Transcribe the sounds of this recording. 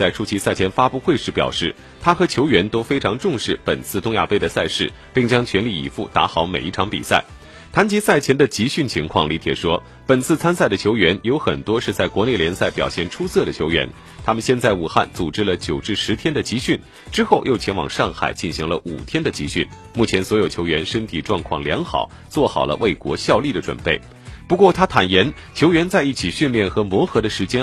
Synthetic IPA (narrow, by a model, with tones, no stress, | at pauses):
t͡sa˥˩ɪʈ͡ʂʰu˥t͡ɕʰi˧˥sa˥˩ɪt͡ɕʰjɛ˧˥nfa˥pu˥˧xwe˥˧ʂɻ̩˥˩pjɑ̰˨˩ʊʂɻ̩˥˩ | t̪ʰa˥xɤ˧˥t͡ɕʰjo˧˥ʊɥɛ˧˥nt̪o˥ʊfe˥ɪʈ͡ʂʰɑ˧˥ŋʈ͡ʂʊ˥˧ŋʂɻ̩˥˩pə˨˩nt͡sʰɹ̩˥˩t̪ʊ˥ŋja̰˥˧pe˥ɪd̪ə˨sa˥˧ɪʂɻ̩˥˩ | pi˥˩ŋt͡ɕjɑ˥ŋt͡ɕʰɥɛ˧˥nli˥˩ḭ˨˩fṵ˥˩t̪a̰˧˥xɑ˧˥ʊme˨˩i˥˩ʈ͡ʂʰɑ˧˥ŋpḭ˨˩sa̰˥˩ɪ | t̪ʰa˧˥nt͡ɕi˧˥sa˥˩ɪt͡ɕʰjɛ˧˥nd̪ə˧t͡ɕi˧˥ɕy˥˩nt͡ɕʰi˧˥ŋkʰwɑ̰˥˩ŋli˧˥t̪ʰjɛ̰˨˩ʂwɔ˥ | pə˨˩nt͡sʰɹ̩˥˩t͡sʰa˥nsa˥˩ɪd̪ə˩t͡ɕʰjo˧˥ʊɥɛ˧˥njo˧˥ʊxə̰˨˩nt̪wɔ˥ʂɻ̩˥˧t͡sa˥˩ɪkwɔ˧˥ne˥˩ljɛ˧˥nsa˥˩ɪpjɑ˨˩ʊɕjɛ˥˩nʈ͡ʂʰu˥sɤ˥˩d̪ə˩t͡ɕʰjo˧˥ʊɥɛ̰˧˥n | t̪ʰa˥mə˨nɕjɛ˥˧nt͡sa˥˩ɪu˨˩xa̰˥˩nt͡su˨˩ʈ͡ʂɻ̩˥lə˨t͡ɕjo˨˩ʊʈ͡ʂɻ̩˥˩ʂɻ̩˧˥t̪ʰjɛ˥nd̪ə˨t͡ɕi˧˥ɕy˥˩n | ʈ͡ʂɻ̩˥xo˥˧ʊjo˥˩ʊt͡ɕʰjɛ˧˥nwɑ̰˨˩ŋʂɑ˥˩ŋxa̰˨˩ɪt͡ɕi˥˩nɕi˧˥ŋlə˧ʔṵ˨˩t̪ʰjɛ˥nd̪ə˨t͡ɕi˧˥ɕy˥˩n | mu˥˩t͡ɕʰjɛ˧˥nswɔ˧˥jo˨˩t͡ɕʰjo˧˥ʊɥɛ˧˥nʂə˥nt̪ʰi˨˩ʈ͡ʂwɑ˥˧ŋkʰwɑ̰˥˩ŋljɑ˧˥ŋxɑ̰˨˩˦ʊ | t͡swɔ˥˩xɑ˨˩ʊlə̰˦wʔe˥˩ɪkwɔ̰˧˥ɕjɑ˥˧ʊli˥˩d̪ə˩ʈ͡ʂwə̰˨˩npe˥˩ɪ | pu˧˥kwɔ˥˧˩t̪ʰa˥t̪ʰa˨˩njɛ˧˥n | t͡ɕʰjo˧˥ʊɥɛ˧˥nt͡sa˥˧ɪi˥˩t͡ɕʰi˨˩ɕy˥˧nljɛ˥˩nxɤ˧˥mwɔ˧˥xɤ˧˥d̪ə˧ʂɻ̩˧˥t͡ɕjɛ˥